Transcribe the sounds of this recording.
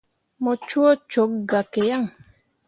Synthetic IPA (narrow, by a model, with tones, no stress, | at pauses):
mɔ˨t͡ʃu˦ɔ˦t͡ʃo˨˦k̚ɡa˨ke˨ja˦˨ŋ